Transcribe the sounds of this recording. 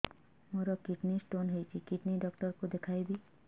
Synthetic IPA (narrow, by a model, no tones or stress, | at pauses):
moɾɔkiʈnisʈonɦejt͡ʃʰikiʈniɖɔkʈɔɾkud̪ekʰajbi